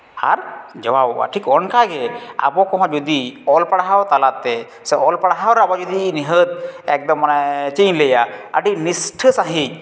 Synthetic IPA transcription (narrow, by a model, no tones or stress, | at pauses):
a̰ɾd͡ʒɔbaba̰ʈʰikɔnkaɡɛa̰bɔkɔɦɔ̃d͡ʒud̪iɔlpaɽaɦawt̪alat̪ːɛ | sɛʔɔlpaɽaɦawɾabɔd͡ʒud̪iniɦət̪̚ɛk̚d̪ɔmːanat͡ʃiɲləjaə̰ɖinisʈʰəsaɦi